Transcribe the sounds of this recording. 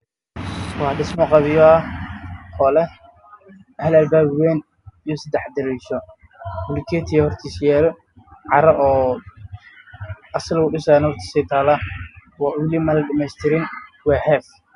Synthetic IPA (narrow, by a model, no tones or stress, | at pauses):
wɑħɖɪsmɔqɑβɪjɔ | hɔːlɛ | hɐlɐlbaːbwɛːn | ijɔsɐd̪ɛħd̪ɪɾiːʃɔ | hʊlɪkʰɛːt̪ʰɪjɐhɔrt̪ʰiːsjaːlɔ | ʕɑɾɐʔɔː | ɐslwʊɖɪsaːnhɔrt̪ʰi̥ːsɛjt̪ʰaːlaːwɑːwɪlɪmɐlɐɖɐmɛjst̪ʰɪɾɪnwɛːhɛf